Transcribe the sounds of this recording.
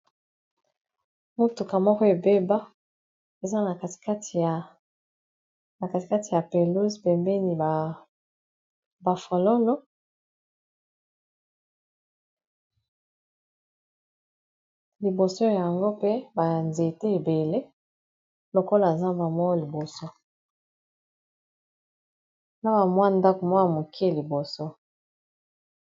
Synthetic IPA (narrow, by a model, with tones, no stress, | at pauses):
mu˦tu˨ka˨mɔ˦kɔ˦e˨be˦ba˦ | e˨za˦na˨ka˨ti̥˨ka˦ti˨ | na˨ka˨ti˨ka˦ti˨ja˨pe˨lu˦zpe˨mbɛ˦ni˨ba˨ | ba˨fo˨lo˦lɔ˦ | li˨bo˨so˦˨ja˨ŋɡo˦pe˦ba˨nze˨te˦e˨be˨le˦ | lo˨ko˦la˨za˦mba˨mwɔ˦li˨bo˨so˦ | na˦ba˨mwa˦nda˦ko˨mwa˦a˨mo˨ke˦˨li˨bo˨so˦